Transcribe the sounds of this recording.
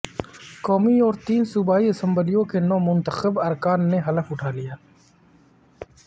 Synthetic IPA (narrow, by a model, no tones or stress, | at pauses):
kɔːmiɔːɾt̪iːnsubaːiɪsə̃mbəlijõkenɔːmʊ̃nt̪əxəbɐɾkaːnːeɦɐləfʊʈʰaːlijaː